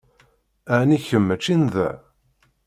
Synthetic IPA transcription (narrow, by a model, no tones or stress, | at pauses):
æʕniçəmːæt͡ʃːinðæ̰